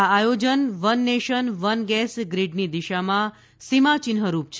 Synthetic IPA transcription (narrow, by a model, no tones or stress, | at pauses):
aajod͡ʒənʋənːeʃənʋənɡɛsɡɾiɖnid̪iʃamã | simat͡ʃɪnɦəɾup̚t͡ʃʰ